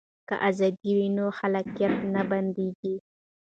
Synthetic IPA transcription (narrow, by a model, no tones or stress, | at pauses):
ka̰ʔazɑd̪iwinoxalakijat̪naband̪eɡi